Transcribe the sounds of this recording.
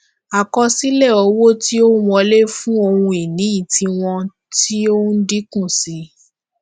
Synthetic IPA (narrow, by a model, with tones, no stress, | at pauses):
a˨kɔ˧si˦lɛ˦˨ɔ˧wo˦ti˦o˦wũ˧ɔ˧le˦fũ˦o˧wũ˧i˨nĩ˨˦i˦˨ti˧w̃ɔ̃˧ | ti˦o˦n̩˦di˦kũ˦˨si˨˦